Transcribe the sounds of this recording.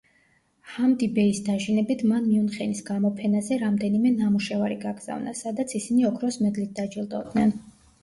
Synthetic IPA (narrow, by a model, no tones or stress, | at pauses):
hamd̪ibɛisd̪aʒinɛbit̪ʰmanmiunχɛnisɡamɔpʰɛnazɛɾamd̪ɛnimɛnamuʃɛvaɾiɡaɡz̥a̰vna̰sad̪at̪sʰisiniɔkʰɾɔsmɛd̪lit̪̚d̪ad͡ʒilˠd̪ɔd̪nɛn